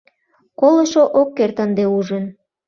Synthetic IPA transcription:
koləʃoʔokːert̪ənd̪euʒən

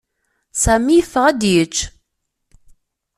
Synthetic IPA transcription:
sæmijəfːəʁæd̪jət͡ʃː

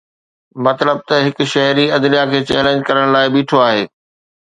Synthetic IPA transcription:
mɐt̪ləb̚t̪ɐɦɪkʊ̆ʃɐɦɾiɐd̪nijakʰeːt͡ɕɛ̰ːlẽːɲd͡ʑkɐɾəɽ̃laːɪbiːʈʰoaːɦeː

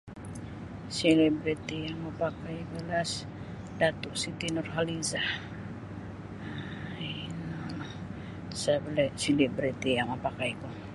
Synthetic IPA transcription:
selebɾit̪ijaŋmapakajbəlas | dat̪uʔsit̪inɔrɦalizah | ainal | sabəlɛsilɛbɾit̪ijaŋmapakajko

